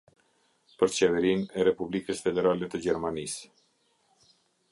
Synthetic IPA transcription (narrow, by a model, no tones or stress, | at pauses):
pəɾt͡ɕɛvɛɾinɛɾɛpublikəsfɛd̪ɛɾalɛt̪əd͡ʑɛɾmanis